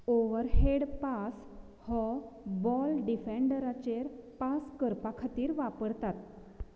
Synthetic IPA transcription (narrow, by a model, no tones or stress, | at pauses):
oʋəɾɦeɽpas | hɔbɔlɖifeɳɖɾat͡ɕeɾpaskəɾpakʰat̪iːɾʋapəɽt̪at̪̚